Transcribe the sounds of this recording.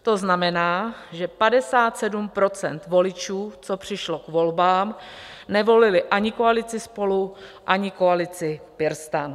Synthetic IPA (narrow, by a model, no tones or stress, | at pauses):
t̪o̞znamɛnaːʒɛpadɛsaːt̪sɛdumpɾo̞t͡sɛ̰nt̪vo̞lɪt͡ʃuːt͡so̞pr̝̥ɪʃlo̞kvo̞lbaːm | nɛvo̞lɪlɪʔaɲɪko̞alɪt͡sɪspo̞luʔaɲɪko̞alɪt͡sɪpɪɾst̪an